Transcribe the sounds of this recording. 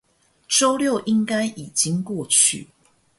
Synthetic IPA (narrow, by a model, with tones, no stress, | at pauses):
ʈ͡ʂo˦ʊljo˥˨ʊʔi˦ŋka˦˥ɪʔi˨˩t͡ɕi˦ŋkwɔ˥˨t͡ɕʰy̰˥˨